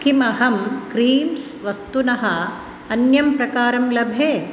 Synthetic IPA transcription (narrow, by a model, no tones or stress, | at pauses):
kʰimɐɦɐmkɾiːms | ʋɐst̪unɐɦɐ | ɐnjɐmpɾɐkaːɾɐmlɐbʱjeː